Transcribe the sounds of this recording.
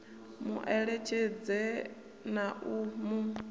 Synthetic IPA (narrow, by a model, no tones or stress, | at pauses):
mṵʔɛɺɛt͡ʃʰed͡zɛ | naʔumu